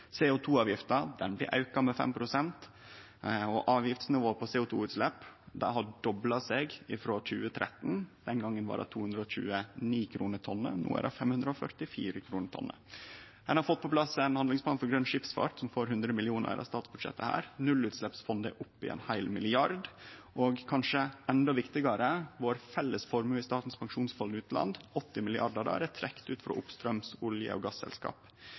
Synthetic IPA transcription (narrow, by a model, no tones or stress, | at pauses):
seːʊːt̪ʰuːɑːʋjɪft̪ɑd̪ɛnblɪ̰ʔɑʉkɑmɛfɛ̰mpʰɾʊsɛnt̪ | ɔʔɑːʋjɪft̪snɪʋoːpʰɔseːʊːt̪ʰṵːʉːt̪slɛpːd̪æɪɦɑɖɔblɑsɛɡɪfɾoːc͡çʉ̰ːət̪ʰɾʔɛt̪n̩d̪̥ɛnɡɑŋːənʋɑ̰ːɾɑ̰t̪ʰuːʉnd̪ɾəɔɕʉ̰ːəniːkʰɾuːnəʈ̪ʰɔnːə̰nṵːə̰ɾɑ̰fɛmhʉnd̪ɾəɔfœɾʈɪfiːɾəkʰɾuːnətʰɔ̰nːə̰ | hɛnhɑɾfɔt̪̚ːpʰɔpʰlɑsɛnhɑnd̪ɪŋsplɑːnfɔɾɡɾœnʂɪpsfɑ̰ːʈsɔmfoːɾhʉnd̪ɾəmɪlɪuːnə̰ɾɑ̰st̪ɑːt̪sbʉd̪ʂɛ̰t̪ːəhæ̰ːɾnʉlʉːt̪slɛpsfɔnd̪əʔʊpːɪɛ̰ːnhæɪlmɪlɪɑɾd̪ʔoːɡkʰɑnʂəɛnd̪ɔʋɪkt̪ɪɡɑɾəʋoːɾfɛlːəsfɔɾmʉːɪst̪ɑːʈ̪n̩spʰɑŋʂuːnsfɔlʉːt̪ʰlɑ̰nd̪ɔt̪ːɪmɪlɪʔɑɖəd̪ɑ̰ɾɛt̪ʰɾɛkt̪ʉːt̪fɾɔ̰ʔʊpst̪ɾœmsʊljə̰ɔ̰ɡɑsːɛ̰lskɑ̰ːp